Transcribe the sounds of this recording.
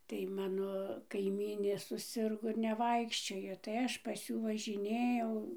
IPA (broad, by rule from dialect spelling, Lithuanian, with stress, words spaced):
tɐɪ ˈmɑːnoː kɐɪˈmʲiːnʲeː sʊˈsʲɪrɡoː ɪr nʲɛˈʋɐɪkʃʲt͡ʃʲoːjoː tɐɪ ˈɐʃ pɐs ˈjuː ʋɐʒʲɪˈnʲeːjɛʊ